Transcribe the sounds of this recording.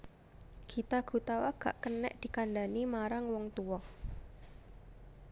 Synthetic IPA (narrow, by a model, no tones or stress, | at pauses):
kʰit̪aɡ̥ṳt̪awaɡ̥a̰ʔkənɛʔd̪̥i̤kandanimaɾaŋwɔŋt̪uwɔ